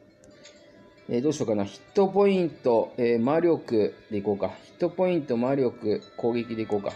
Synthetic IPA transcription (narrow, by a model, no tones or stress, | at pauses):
eːd̪o̞ːɕiokanaçi̥t̪ːo̞po̞ĩnt̪o̞eːmaɾʲo̞kɯ̟d̪̥e̞iko̞ːkaçi̥t̪ːo̞po̞ĩnt̪o̞maɾʲo̞kɯ̟ko̞ːɡʲe̞k̬ʲid̪e̞iko̞ːka̰